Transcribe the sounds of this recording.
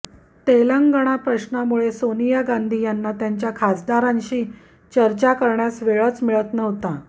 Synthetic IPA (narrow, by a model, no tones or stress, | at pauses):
t̪eləŋɡəɽ̃apɾəɕnamuɭesonijaɡãnd̪ʱiːjanːat̪jaɲt͡ɕjakʰad͡zd̪aɾãnɕiː | t͡ɕəɾt͡ɕakəɾɳjasʋeɭət͡smiɭət̪nəɦt̪a